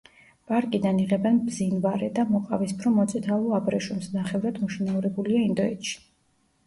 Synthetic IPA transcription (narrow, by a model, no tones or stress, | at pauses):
pʼaɾkʼid̪aniʁɛbɛnbzinvaɾɛd̪amɔqʼa̰vispʰɾɔmɔt̪sʼit̪ʰalˠuabɾɛʃumsnaχɛvɾad̪mɔʃinaɔɾɛbuliaind̪ɔɛt̪ʃi̥